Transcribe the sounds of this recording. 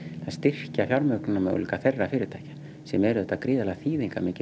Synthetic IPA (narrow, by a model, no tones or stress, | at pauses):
ast̪ɪr̥cafjawlmœknɪnamɛ̰ð̰liːkaθerːafɪːɾɪɾt̪aːjḁ | sɛmɛɾʏɛht̪ːakɾiːðalɛɣaθiːðiŋkamɪːcɪ